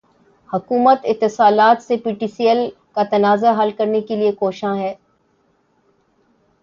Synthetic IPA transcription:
hɐkuːmət̪ɪt̪ːɪsaːlaːt̪sepiʈiːsijəl | kat̪ɐnaːzaɦɐlkɐɾnekeliekoːʃãɦɛː

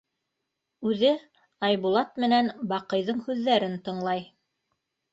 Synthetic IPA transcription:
ʉðɘ | ɑjβulˠɑt̪mɘ̆nænbɑqɤ̆jðɤɴhʉðːæɾɘnt̪ɤ̆ɴlˠɑj

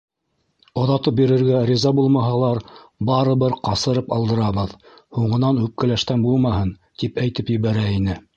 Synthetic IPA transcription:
ŏðɑt̪ɤp̚biɾɘ̆ɾɡæɾʲizɑbulˠmɑɦɑlˠɑɾbɑɾɤ̆βɤɾqɑsɤ̆ɾɤpɑlˠd̪ɤ̆ɾɑβɤðhuɴɤ̆nɑnʉp̚kɘ̆læʃt̪ænbulˠmɑhɤn | t̪ipæjt̪ɘpjɘ̆βæɾæinɘ

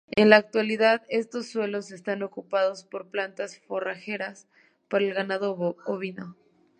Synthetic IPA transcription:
e̞nlaːk̚t̪waliðaðe̞st̪o̞sːwe̞lo̞se̞st̪ano̞kupað̞o̞spo̞ɾplant̪asfo̞raxe̞ɾas | paɾaelɣanaðoβooβino

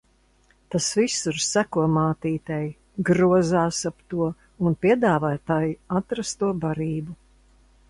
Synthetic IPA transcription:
t̪asvisuɾsækuɔmaːt̪iːt̪ɛj | ɡɾuɔzaːsapt̪uɔ | unpiɛd̪aːvaːt̪aːjiat̪ɾast̪uɔbaɾiːbu

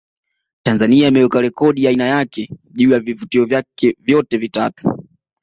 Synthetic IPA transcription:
tanzaniaimɛɛkalɛkɔɗiainajakɛʄuːjavivutiɔvjakɛvjɔtɛvita̰tu̥

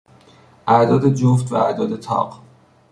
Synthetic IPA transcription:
ʔæd̪ɒːd̪e̞d͡ʒoft̪væ̰æɾd̪ɒːd̪e̞t̪ʰɒ̰ːɢ

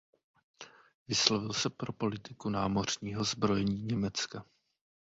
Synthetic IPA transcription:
vɪslovɪlsɛpɾo̞po̞lɪt̪ɪkunaːmo̞r̝̥ɲiːɦo̞zbɾo̞jɛɲiːɲɛmɛt͡ska

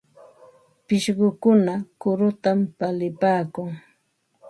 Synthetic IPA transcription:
pɪʃɢʊkʊnakʊɾʊt̪ampalɪpaːkʊŋ

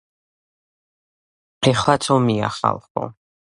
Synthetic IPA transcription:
ɛχlˠat͡sʰɔmia̰χa̰lˠχɔ̰

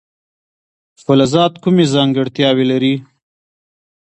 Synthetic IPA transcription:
xʊlazɑt̪kumezɑŋɡɪɽt̪jɑwelaɾi

